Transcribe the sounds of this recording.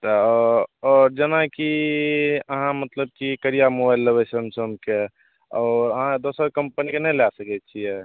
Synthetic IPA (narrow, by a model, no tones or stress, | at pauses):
t̪ɔ | ɔɾd͡ʒənaki | əɦãmət̪ləb̚kikəɾijamobajlːəβɛt͡ʃʰəmsəbke | ɔːɾəɦãd̪osəɾkəmpənikenɛlasəkɛt͡ʃʰijɛ